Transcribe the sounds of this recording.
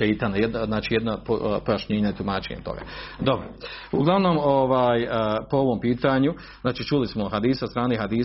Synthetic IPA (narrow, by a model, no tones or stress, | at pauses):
eit̪anajed̪nznaːt͡ʃiːjed̪nappojaʃɲeːɲaet̪umaːt͡ʃḛɲḛt̪o̰ɡa̰ːd̪o̞bɾouɡlˠaʋno̞mo̞ʋaːjpo̞o̞ʋo̞mpiːt̪aɲu | znaːt͡ʃiːt͡ʃuːlismohad̪iːsast̪ɾaːneɦad̪iː